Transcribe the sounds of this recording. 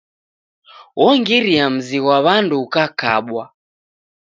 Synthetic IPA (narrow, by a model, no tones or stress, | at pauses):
wɔŋɡiɾiam̩ziwaβanduːkaka̰ɓwa